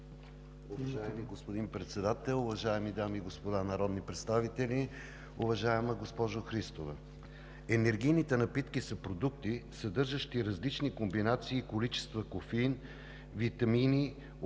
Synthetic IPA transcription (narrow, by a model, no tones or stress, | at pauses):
ʊvɐʒaɛmiɡospod̪inpɾɛt̪sɛd̪at̪ɛlˠʊvɐʒaɛmid̪amiːɡospod̪anɐɾɔd̪nipɾɛt̪st̪avit̪ɛlʲi | ʊvɐʒaɛməɡospɔʒoxɾist̪ovɛ | ɛnɛɾɡ̟ijnit̪ɛnɐpit̪kisɐpɾod̪ukt̪isɐd̪ɤɾʒəʃt̪iɾɐzlit͡ʃnikombinat̪siːkolit͡ʃɛ̥st̪vəkofin | vit̪ɐmini